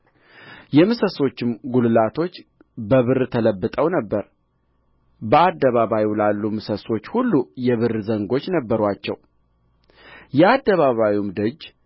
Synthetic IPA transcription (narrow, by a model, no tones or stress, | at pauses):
jɛmɨsəso̞t͡ʃːɪmɡulɨlat̪ʰo̞t͡ʃː | bəβɨrt̪ʰələbːɨt̪ʼəwnəbːəɾ | bəad̪ːəβaβajlalːumɨsəso̞t͡ʃːhulːujɛβɨrzəŋɡo̞t͡ʃːnəbːəɾwat͡ʃːɛ̰w | jɛad̪ːəβaβawumd̪əd͡ʒ